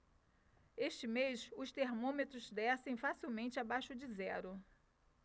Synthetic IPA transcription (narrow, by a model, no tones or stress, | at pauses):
eʃt͡ʃɪmejʃʊst̪eɾmõmet̪ɾʊzd̪ɛsẽj̃fasiwmẽnt͡ʃɪabajʃʊd͡ʒɪzɛɾʊ